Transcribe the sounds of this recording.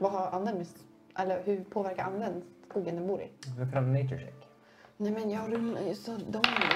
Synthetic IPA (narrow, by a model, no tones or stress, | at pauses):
vaɦaɾand̪ɛmːɪs | ʔɛlːəɾɦɵpʰoːvæɾkaɾʔanːvɛnd̪sskuːɡənd̪ɛmbuːɾɪ̰dɔkʰaaneɪt͡ʃəʃɛ̰k | nɛmɛnjɑːɾɵnsɔd̪ɔm